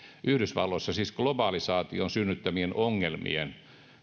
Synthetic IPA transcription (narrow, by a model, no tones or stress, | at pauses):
ʔyhdysʋɑlːosːɑsiːsɡ̥lobɑːlisɑːt̪ionsynːyt̪ːæmienʔoŋːelmḭen